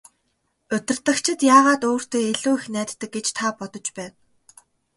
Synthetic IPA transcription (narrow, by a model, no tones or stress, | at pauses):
ɵt̪ʲɪ̆rt̪ə̆kt͡ɕʰɪ̆t̪jaːʁaːt̪oːr̥t̪ʰeːeɮuːixnæːt̪ːə̆k̚ɡet͡ɕt̪ʰapɔt̪ɞ̆t͡ɕpæːn